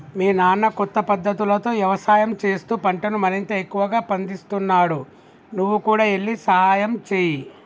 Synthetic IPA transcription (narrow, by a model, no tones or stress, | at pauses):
miːnaːnːɐkɔt̪ːɐpɐd̪ːɐt̪ulɐt̪o̞ːʋjɐʋɐsaːjɐmt͡ʃe̞ːst̪uːpɐɳʈɐnumɐɾint̪ɐekːuʋɐɡaːpɐnd̪ist̪unːaːɽu | nuʋːukuːɽaːe̞ɭːisɐɦaːjɐmt͡ʃeːji